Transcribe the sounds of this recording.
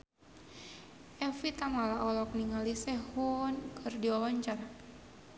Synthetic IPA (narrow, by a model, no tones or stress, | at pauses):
ʔɛfit̪amalaʔɔlɔk̚niŋalisɛhunkʰɨrdiawaɲt͡ʃar